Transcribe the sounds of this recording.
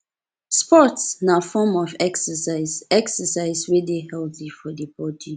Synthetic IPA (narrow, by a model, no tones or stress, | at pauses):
spɔtsnafɔmɔvɛksəsaɪzɛksəsaɪzwedehɛlˠθifɔdəbɔdi